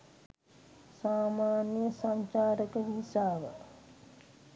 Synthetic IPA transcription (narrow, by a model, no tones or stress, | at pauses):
saːmaːnjəsaɲt͡ʃaːɾəkəʋisaːʋə̰